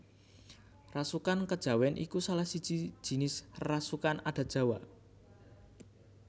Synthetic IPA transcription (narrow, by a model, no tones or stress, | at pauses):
rasukankəd̥ʒ̥a̤wɛnʔḭkusalahsid̥ʒ̥i̥ʒ̥i̤nɪsrasukanad̪̥a̤d̥ʒ̥a̤wa